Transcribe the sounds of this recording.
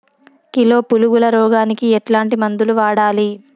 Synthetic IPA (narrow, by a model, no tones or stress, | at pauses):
kilo̞ːpuluɡulɐɾɔːɡaːnikiɛʈlaːɳʈimɐnd̪uluʋaːɽaːli